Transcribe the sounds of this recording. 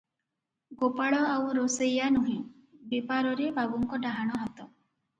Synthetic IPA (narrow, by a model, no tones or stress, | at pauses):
ɡopaɭɔawɾosejanuɦĩ | bipaɾɔɾebʱabuŋkɔɖaɦaɽ̃ɔɦat̪ɔ